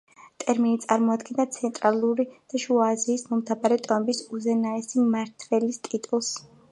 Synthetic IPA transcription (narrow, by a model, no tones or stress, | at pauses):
t̪ʼɛɾminit̪sʼaɾmɔad̪ɡɛnd̪at̪sʰɛnt̪ʼɾalˠuɾid̪̥aʃuaziːsmɔmt̪ʰabaɾɛt̪ʼɔmbisuzɛnaɛsimaɾt̪ʰvɛlist̪ʼit̪ʼulˠs